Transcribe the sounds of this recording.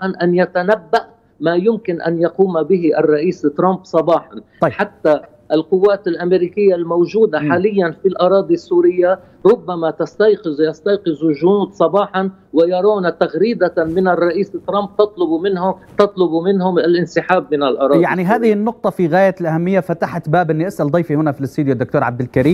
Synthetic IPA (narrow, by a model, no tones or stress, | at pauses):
ʔanʔanjat̪anabːaʔ | maːjʊmkɪnʔa̰njɑquːmabɪɦiʔarˤːɑʔiːst̪ːɾˤɑmbsˤɑbɑːħɑn | ħat̪ːa | ʔɪlqʊwːaːt̪ɪlʔameɾiːkɪjːalmowʒuːd̪aħaːlɪjːanfilʔɑɾˤɑːd̪ˤisːuːɾɪjːa | ɾˤʊbːamat̪ast̪ɑjqɪzjɑst̪ɑjqɪzuʒʊnuːd̪sˤɑbɑːħɑn | wɪjɑɾˤaːnat̪aɣɾiːd̪amɪnɪrˤːɑʔiːst̪ːɾˤɑmb̚t̪ɑt̪ˤlʊbumɪnhʊmt̪ɑt̪ˤlʊbumɪnɦʊmalʔɪnsɪħaːbːɪnɪlʔɑɾˤɑːjaʕʕnniɦaːðɪhɪnːʊq̚t̪ˤɑfiɣaːjalʔahamːɪjːafat̪aħat̪baːbʔɪnːiʔasʔald̪ˤɑjfihʊnafilst̪uːd̪jʊd̪ːʊk̚t̪oːɾʕa̰b̚d̪ɪlkaɾiː